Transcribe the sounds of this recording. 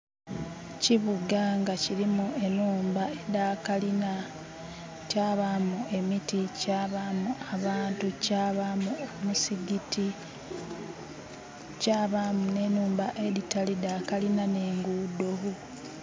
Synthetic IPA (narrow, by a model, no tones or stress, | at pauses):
ciβuɡaŋɡaciɾimue̞nuːmbaedaklina | caːβamuʔe̞miticaβamuʔaβaːntucːβamuomusiɡiti | caːβamune̞nuːmbaʔe̞ɾitalidaːkalinane̞ːŋɡuːdo̞ɦo